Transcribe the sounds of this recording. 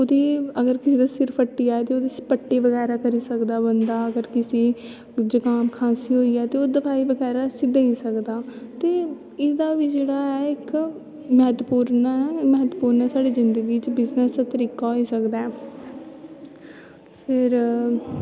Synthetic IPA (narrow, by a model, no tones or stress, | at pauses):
oːd̪iːəɡəɾkɪsiːd̪aːsɪɾpʰəʈːiːaːet̪eːoːd̪iːpəʈːeːbəɡɛːɾaːkəɾiːsəkd̪aːbənd̪aːəɡəɾkɪsiː | d͡ʒəkaːmkʰaːsiːɦoːiːɛːt̪eːoːd̪əpʰaːiːbəɡɛːɾaːsid̪eiːsəkd̪aːt̪eː | ɪd̪aːʋiːd͡ʒeːɽaːɛːɪk | məɦət̪puːɾnaməɦət̪puːɾnɛːsaːɖiːzɪnd̪əɡiːt͡ʃbɪznəsd̪aːt̪əɾiːkaːɦoiːsəkd̪aːɛː | pʰɪɾ